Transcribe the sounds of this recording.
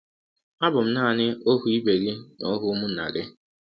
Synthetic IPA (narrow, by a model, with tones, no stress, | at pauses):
a˦bʊ˨m̩˦na˦˨nɪ˦o˦ɦu˦i˦be˨ɣi˦no˦ɦʊ˦mʊ˦n̩˨na̰˨lɪ˦